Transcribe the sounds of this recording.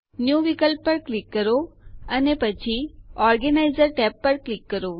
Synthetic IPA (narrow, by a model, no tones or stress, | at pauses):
njuːʋikəlpːəɾklikːəɾoənepət͡ʃʰiɔːɾɡənaɪzəɾʈɛːpːəɾklɪkːəɾo